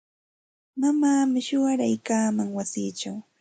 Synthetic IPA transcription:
mamaːmɪʃʊɢaɾa̰jkaːmaŋwasiːt͡ʃaw

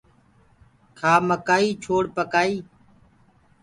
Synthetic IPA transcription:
kʰaːməkaːiːt͡ʃʰoːɽpəkaːiː

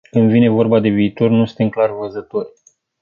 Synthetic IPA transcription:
kɨnd̪vine̞vo̞rbad̪e̞viːt̪o̞rnust̪eŋklarvəzət̪o̞rʲ

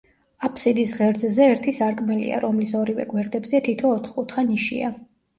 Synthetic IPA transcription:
apʰʼsid̪isʁɛɾd̪zɛzɛːɾt̪ʰisaɾkʼmɛlḭa̰ɾɔmlisɔɾivɛ̰ɡwɛɾd̪ɛbzɛt̪ʰit̪ʰɔːt̪ʰχkʼut̪ʰχaniʃḭa̰

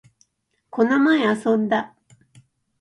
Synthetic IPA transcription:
ko̞nomaeasõ̞nd̪a

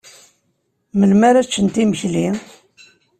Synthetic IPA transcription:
məlmæɾæt͡ʃːənt̪iməçli

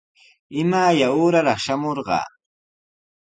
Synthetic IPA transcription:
ɪmaːjaʊːɾaɾɑχʃamoɾɢɑ̰ː

